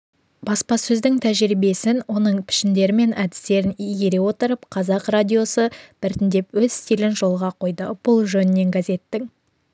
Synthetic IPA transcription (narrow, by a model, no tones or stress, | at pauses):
b̥ɑspɑsɵzd̪ɪŋt̪ʰæʒɾibe̞sɪnwo̞nəɴpʰɪ̥ʃɪnd̪e̞ɾɪme̞næd̪ɪ̥st̪e̞ɾɪnijɡʲe̞ɾe̞wo̞t̪əɾəpqʰɑzɑqradʲijo̞səb̥ɪɾt̪ɪnd̪e̞pwɵzst̪ijlɪnʒo̞lˠʁɑqʰo̞jd̪əb̥ʊlˠʒɵnɪnːe̞ŋɡʲaze̞t̪ːɪŋ